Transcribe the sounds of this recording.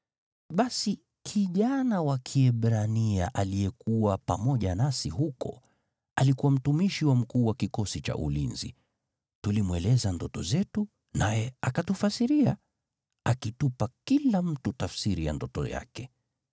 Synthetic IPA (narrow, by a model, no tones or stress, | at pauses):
ɓasi | kʰiʄanawakʰiɛɓɾania̰ʔalijɛkuwapa̰mɔʄanasiɦukɔ̰ | alikuwam̩tumiʃiwam̩kuːwakikɔsit͡ʃa̰ʔṵlinzḭ | tulimwɛlɛzandɔtɔ̰zɛtu | najɛakatufasiɾia | akitupakilam̩tutafsiɾija̰ndɔtɔ̰ja̰kɛ